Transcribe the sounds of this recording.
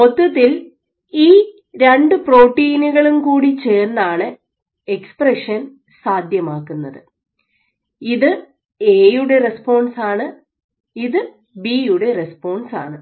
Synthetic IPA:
pot̪ːɐt̪ːil | iː | ɾeɳɖɨpro̞ːʈːiːnuɣɐɭumkuːɽit͡ɕe̞ːrnːaːɳɨ | ekspreʂɐn | saːd̪ʱjɐmaːkːunːɐðɨ | iðɨ | eːjuɽe̞re̞spo̞ːɳsaːɳɨ | iðɨ | biːjuɽerespo̞ːɳsa̰ːɳɨ

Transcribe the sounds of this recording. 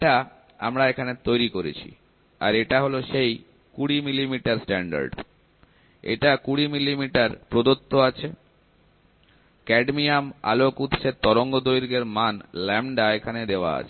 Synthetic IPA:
eʈa | a̰mɾaekʰanet̪ojɾikoɾḛt͡ɕʰḭ | a̰ɾeʈaɦoloʃej | kuɽimilimiʈaɾsʈɛɳɖa̰ɾɖ | ḛʈakuɽimilimiʈaɾpɾod̪ot̪ːoat͡ɕʰe | kɛɖmiama̰lokut̪ːɕʰet̪ɔɾoŋɡod̪ojɾiɡeɾmanlɛmɖaekʰaned̪eoa̰a̰t͡ɕʰe

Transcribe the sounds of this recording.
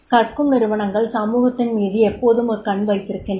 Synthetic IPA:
kɐʈkɯmnɪɾɯʋɐɳɐŋɡɐɭsɐmuːɣɐt̪ːɪnmiːðɯɛpːoːðɯmɯkːɐɳʋɐɪt̪ːɪɾɯkːɪn

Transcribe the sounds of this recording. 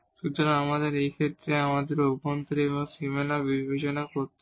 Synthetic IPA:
ʃut̪oɾaamad̪eɾejkʰet̪ːɾeamad̪eɾupont̪oɾeboŋsimenabibʱeʃonakoɾt̪e

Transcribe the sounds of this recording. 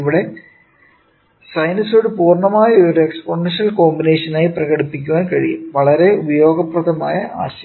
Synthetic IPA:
iʋiɽe̞ | sɐjnɐsuɽɨpuːrɳɐmaːjɐoɾuekspoɳɐnʂɐlko̞ːmbine̞ːʂɐnaːjiprɐɣɐɽipːik̬ʲːuʋaːnkɐɻḭjṵmʋɐɭɐɾe̞ubɐjo̞ːɡɐprɐðɐmaːjɐa̰ːɕɐ

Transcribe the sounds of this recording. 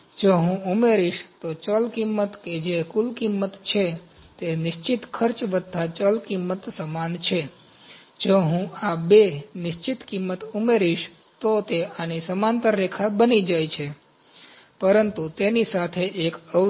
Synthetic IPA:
d͡ʒoɦũumeɾiʃt̪ot͡ʃəlkimːət̪ked͡ʒekulkimːət̪t͡ʃʰe | t̪enɪʃt͡ʃit̪kʰəɾt͡ʃʋəd̪ʱːat͡ʃəlkimːət̪səmant͡ʃʰe | d͡ʒoɦũabenɪʃt͡ʃit̪kimːət̪umeɾiʃ | t̪ot̪eanisəmant̪əɾːekʰabənid͡ʒajt͡ʃʰe | pəɾənt̪ut̪enisat̪ʰeʔːkə

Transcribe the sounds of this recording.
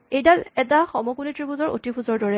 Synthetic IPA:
ejdalɛtaxɔmɔkunitɹipʰuzɔɹo̰tipʰuzɔɹdɔɹɛ

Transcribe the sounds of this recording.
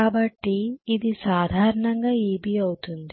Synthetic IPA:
aːbɐʈːiːd̪isaːd̪ʱaːɾɐɳɐŋɡaːiːbiɐwut̪und̪i

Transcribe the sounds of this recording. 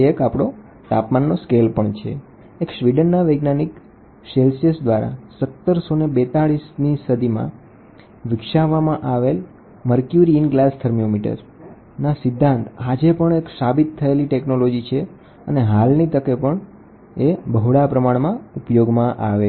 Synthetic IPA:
ekapɽ̃o | t̪apmanːoskelpəɳt͡ʃʰḛ | ekʃʋiɖənːaʋeɡnanik | selsiəsd̪ʋaɾa̰sət̪ːəɾsonebet̪aɭisnisəd̪ʱimã̰ | ʋɪkʃaʋamãʔaʋel | məɾkjuɾinɡlast̪ʰəɾmijomiʈə̰ɾ | nasɪd̪ʱːãnt̪ad͡ʒepəɳeksabit̪ʰːəeliʈeknolod͡ʒit͡ʃʰe | əneɦalnit̪əkepəɳ | ebəɦɽapɾəmaɳmãupjoɡmãʔaʋe

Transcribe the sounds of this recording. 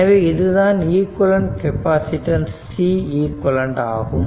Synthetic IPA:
ɐʋeːɪðɯðaːniːkɔlɐɳɖkɛpaːsɪʈɐnsːiːiːkːɔlɐɳɖa̰ːɣɯm

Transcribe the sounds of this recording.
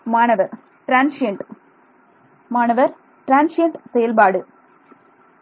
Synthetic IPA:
maːɳɐʋɐɾ | ʈɾaːnseɳʈ | maːɳɐʋɐɾ | ʈɾaːnseɳʈsejɐlbaːɽɨ

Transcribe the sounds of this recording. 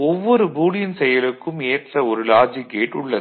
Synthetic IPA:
ɔʋːɔɾɯbuːɽɪjɪnsɛjɐlɯkːɯmeːʈrɐɔɾɯlaːd͡ʒikeːʈːɯɭːɐ

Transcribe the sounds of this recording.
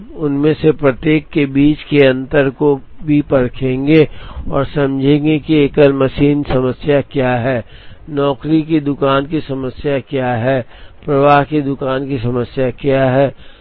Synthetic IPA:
ʊnmẽsepɾɐt̪jeːkːebiːt͡ʃkeɐ̃nt̪əɾkobʱipɐɾkʰẽːŋɡeɔːɾsɐ̃md͡ʒʱẽːŋɡekieːkəlmɐʃiːnsɐməsjakjaɦɛːnɔːkɾik̬id̪ʊkaːnkisɐməsjakjaɦɛː | pɾɐʋaːɦkid̪ʊkaːnkisɐməsjakjaɦɛː

